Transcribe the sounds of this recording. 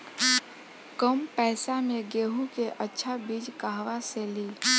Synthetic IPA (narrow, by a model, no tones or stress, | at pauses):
kəmpɛːsameɡeɦukeʔətːʃʰabid͡ʒkaɦʋaseli